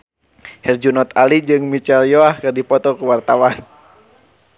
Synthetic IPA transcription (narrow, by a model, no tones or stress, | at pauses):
hɛrd͡ʒunɔt̪alid͡ʒɨŋmit͡ʃɛljoahkɨrdipɔt̪ɔkuwart̪awan